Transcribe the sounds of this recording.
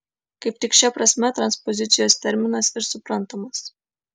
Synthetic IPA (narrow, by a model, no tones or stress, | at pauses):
kɐɪp̚t̪ʲɪkʃʲɛpɾɐsʲmʲɛt̪ɾɐnspɔzʲɪt̪sʲɪjoːst̪ʲɛɾʲmʲɪnɐsɪɾsʊpɾɐnt̪oːmɐs